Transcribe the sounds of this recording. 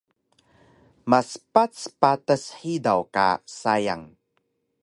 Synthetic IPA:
masə̥pat͡spatəsħidawka̰saja̰ŋ

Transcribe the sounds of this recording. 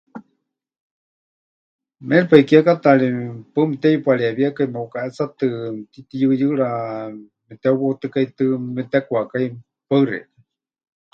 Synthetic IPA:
mɛɾpaikiakat̪aɺipamit̪ɛjupaɺiaβiakaimaukaʔɛt͡sat̪ɨt̪it̪ijɨjɨɺa | mɛt̪ɛuβot̪ɨkait̪ɨmɛt̪ɛkwakai | paɨɾɛ̰

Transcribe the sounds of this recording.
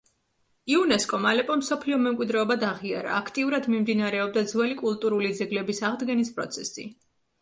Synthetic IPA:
iunɛskʼɔmalɛpʼɔmsɔpʰliɔmɛmkʼwid̪ɾɛɔbad̪aʁiaɾa̰ːkʰt̪ʼiuɾad̪mimd̪inaɾɛɔb̚d̪ad̪zwɛlikʼulˠt̪ʼuɾulid̪zɛɡlɛbisaʁd̪ɡɛnispʼɾɔ̰t̪sʰɛsḭ

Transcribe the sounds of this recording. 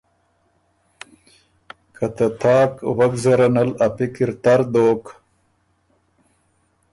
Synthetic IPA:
kɐt̪ɐt̪ʰaːkwɐɡzɐɾɐnɐlɐpikiɾt̪aɾd̪oːk

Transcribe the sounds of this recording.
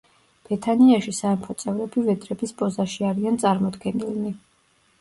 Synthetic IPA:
b̥ɛt̪ʰaniaʃisaɛmpʰɔt̪sʼɛvɾɛbivɛd̪ɾɛbispʼɔzaʃiaɾiant̪sʼaɾmɔd̪ɡɛnilˠmi

